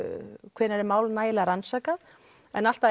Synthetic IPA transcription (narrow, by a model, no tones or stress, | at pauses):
kʰvɛːɾnɛɾɪmaːwlnaːjɪlaaɾansaːka | ɛnal̥t̪a